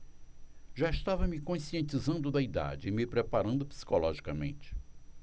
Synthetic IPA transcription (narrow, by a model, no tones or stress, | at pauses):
ʒaɪst̪avɐmɪkõsiẽnt͡ʃizɐ̃nd̪ʊd̪ɐid̪a̰d͡ʒɪɪmɪpɾepaɾɐ̃nd̪ʊpi̥si̥kolɔʒikɐmḛ̃nt͡ʃɪ̥